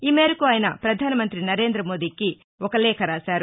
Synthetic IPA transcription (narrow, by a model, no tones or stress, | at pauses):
iːmeːɾɐkuaːjɐnɐpɾɐd̪ʱaːnɐmɐnt̪ɾinɐɾe̞ːnd̪ɾɐmo̞ːd̪iːki | ɔkɐlɛːkʰɐɾaːsaːɾu